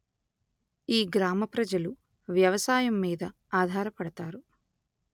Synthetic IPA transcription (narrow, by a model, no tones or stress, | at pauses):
iːɡɾaːmɐpɾɐd͡ʒɐlu | ʋjɐʋɐsaːjɐmːiːd̪ɐ | aːd̪ʱaːɾɐpɐɽɐt̪aːɾu